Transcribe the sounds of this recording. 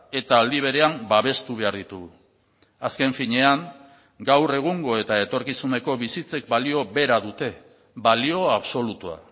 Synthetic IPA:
e̞t̪aːld̪iβ̞e̞ɾe̞ambaβ̞e̞st̪uβe̞aɾðit̪uɣu | aske̞ɱfiɲe̞aŋ | ɡawre̞ɣ̞uŋɡo̞e̞t̪ae̞t̪o̞ɾkisune̞ko̞βisit͡se̞k̚balio̞be̞ɾaðut̪e̞ | balio̞aβso̞lut̪ua̰

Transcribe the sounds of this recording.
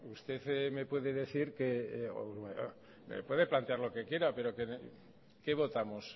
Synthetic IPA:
ust̪e̞θme̞pwe̞ðe̞ðe̞θiɾkeo̰e | mḛpwe̞ðe̞plant̪eaɾlo̞ke̞kje̞ɾape̞ɾo̞ke | ke̞β̞o̞t̪amos

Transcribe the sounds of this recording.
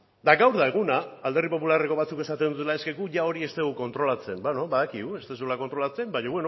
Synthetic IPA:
d̪aɡawɾðae̞ɣ̞unaːld̪eripo̞pulare̞ko̞β̞at͡suke̞sat̪end̪ut̪e̞lae̞ske̞kuʝao̞ɾie̞st̪eɣuko̞nt̪ɾo̞lat͡se̞mbano̞βaðakiɣue̞st̪esulako̞nt̪ɾo̞lat͡se̞mbaɲoβwe̞no

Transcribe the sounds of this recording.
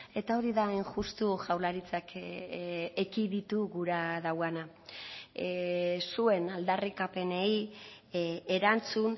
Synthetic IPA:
e̞t̪ao̞ɾiðaenʝust̪uʝawlaɾit͡sak | ekiðit̪uɣuɾaðawana | sue̞nald̪arikape̞ne̞i | e̞ɾant͡sun

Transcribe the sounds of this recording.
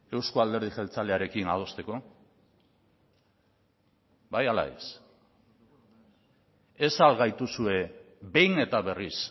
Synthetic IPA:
e̞wskoald̪e̞ɾð̞iʝelt͡sale̞aɾe̞kinað̞o̞st̪e̞ko̞ | bajala̰ḛs | esalɣajt̪usue̞ | be̞jne̞t̪aβe̞ris

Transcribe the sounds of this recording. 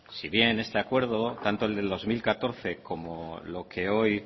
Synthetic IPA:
siβ̞je̞ne̞st̪eakwe̞ɾð̞o̞t̪ant̪oe̞ld̪e̞lðo̞zmilkat̪o̞ɾθe̞kʰo̞molo̞kʰe̞o̞j

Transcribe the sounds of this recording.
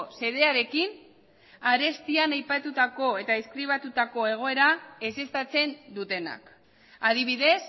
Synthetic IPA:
se̞ðe̞aɾe̞kin | aɾe̞st̪ianajpat̪ut̪ako̞e̞t̪aeskɾiβ̞at̪ut̪ako̞e̞ɣ̞o̞e̞ɾae̞se̞st̪at͡se̞nd̪ut̪e̞na̰k | aðiβ̞iðe̞s

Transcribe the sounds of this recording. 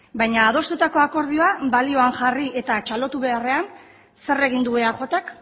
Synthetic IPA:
bajɲaːð̞o̞st̪ut̪ako̞ako̞ɾð̞io̞abalio̞aŋʝarie̞t̪at͡ʃalo̞t̪uβe̞are̞an | se̞re̞ɣ̞ind̪ue̞axo̞t̪ak

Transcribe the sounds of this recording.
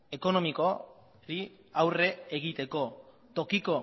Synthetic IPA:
e̞ko̞no̞miko | ɾi | awre̞ːɣ̞it̪e̞ko̞ | t̪o̞kiko̞

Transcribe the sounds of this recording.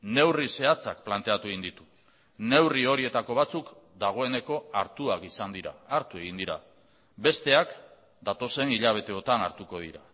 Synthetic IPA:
ne̞wrise̞at͡sak̚plant̪e̞at̪ueind̪it̪u̥ | ne̞wrio̞ɾie̞t̪ako̞β̞at͡sukd̪aɣ̞o̞e̞ne̞ko̞aɾt̪uakisand̪iɾa̰ːɾt̪ue̞ɣind̪iɾa | be̞st̪e̞ak | d̪at̪o̞se̞niʎaβ̞e̞t̪e̞o̞t̪ana̰ɾt̪uko̞ð̞ḭɾa

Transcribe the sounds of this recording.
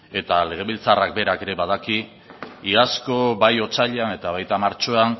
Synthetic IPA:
e̞t̪ale̞ɣ̞e̞β̞ilt͡sarak̚be̞ɾake̞ɾe̞βað̞aki | iasko̞bajo̞t͡saʎeane̞t̪aβajt̪amaɾt͡ʃo̞an

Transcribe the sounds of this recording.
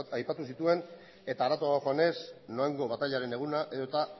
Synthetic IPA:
ajpat̪usit̪ue̞n | e̞t̪aːɾat̪oaoxo̞ane̞sno̞eŋɡo̞βat̪aʎaɾe̞ne̞ɣ̞unaʔe̞ðot̪a

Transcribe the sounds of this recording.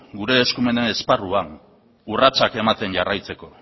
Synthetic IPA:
ɡuɾe̞ːskume̞nenesparuaŋ | urat͡sake̞mat̪e̞nɟarajt͡se̞ko̞

